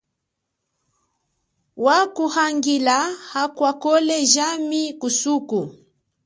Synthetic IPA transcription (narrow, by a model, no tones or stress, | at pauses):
wakuhaŋɡilahakwakɔlɛʒamikusuku